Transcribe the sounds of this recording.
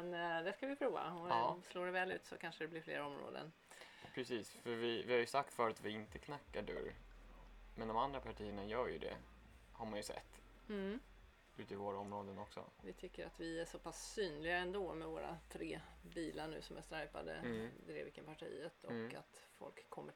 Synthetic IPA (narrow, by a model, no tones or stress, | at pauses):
mɛnd̪ɛskavɪpʰɾuːva̰ɔsloːɖɛvɛːlʉ̟ːt̪sɔkʰanʂəd̪ɛblɪɾflḛːɾɔmɾo̰ːd̪ə̰n | pʰɾɛsiːsfœɾvɪvɪhaɾjɵsak̚t̪fœːɾat̪vɪɪnt̪əkʰnakːaɖɵ̰ɾ | mɛnd̪ɔmand̪ɾapʰaʈʰiːəɳajœːɾjɵ̰d̪ɛ̰ | haɾmanjɵsɛ̰t̪̩ː | ʉ̟ːt̪ɪvoːɾaɔmɾoːd̪ənɔksɔ̰vɪt̪ʰʏkːəɾat̪vɪæʂɔpʰasːyːnlɪɡaɾəɛnd̪oːmɛvoːɾa̰t̪ʰɾeːbiːlaɳʉ̟ːsɔmæst̪ɾajpa̰d̪ə̰d̪ɾḛːvɪkːənpʰaʈʰḭːət̪ʰɔka̰t̪fɔ̰lkʰːɔmːə